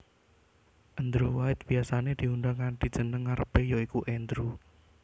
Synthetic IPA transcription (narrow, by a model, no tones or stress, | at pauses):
ʔənd̪ɾuwaɪt̪̚b̥iasaned̪̥i̤und̪aŋanɖ̪̥i̤̥d͡ʒ̥ə̤nəŋːaɾəb̥ejoikuʔɛnd̪ɾu